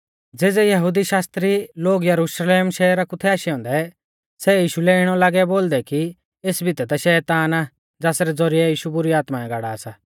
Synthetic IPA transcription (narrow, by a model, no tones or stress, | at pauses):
d͡zeːd͡zɛjɐɦud̪iʃaːst̪ɾiloːɡjɐɾuʃleːmʃɛːɾakut̪ʰɛaːʃiɔ̃ːnd̪ɛ | sɛjiːʃulɛɪɽ̃ɔlaːɡɛboːld̪ɛki | eːsbʱit̪ɛd̪aʃɛːt̪aːnaː | d͡zaːsɾɛd͡zɔɾiɛjiːʃubʊɾiaːt̪maɛ̃ɡaːɽaːsaː